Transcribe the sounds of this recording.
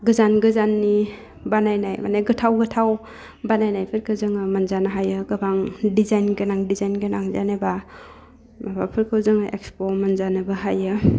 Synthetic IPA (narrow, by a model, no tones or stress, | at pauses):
ɡɯzanɡɯzanːi | banajnajma̰neɡɯtʰawɡɯtʰaw | banajnajpʰɯɾkʰɯzɯŋɯmanzanaɦajɯɡɐbaŋdizajnɡenaŋdizajnɡenaŋzaneba | mabapʰɯɾkʰɯzɯŋɯʔḛkspomanzanɯbaɦajɯ